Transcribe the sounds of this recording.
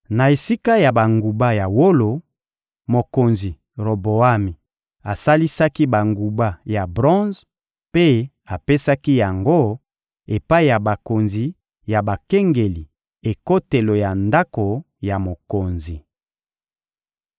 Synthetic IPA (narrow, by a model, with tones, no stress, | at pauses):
na˨e˨si˦ka˦ja˨ba˨ŋɡu˨ba˦ja˨wo˦lo˨ | mo˨ko˨nzi˨ | ʁo˨bo˨a˦mi˨ | a˨sa˦li˦sa˦ki˦ba˨ŋɡu˨ba˦ja˨bʁɔ̃˦z | pe˦ | a˨pe˦sa˦ki˦ja˨ŋɡo˦ | e˨pa˦i˦˨ja˨ba˨ko˨nzi˨ | ja˨ba˨ke˦ŋɡe˨li˨ | e˨ko˦te˨lo˨ja˨nda˦ko˨ | ja˨mo˨ko˨nzi˨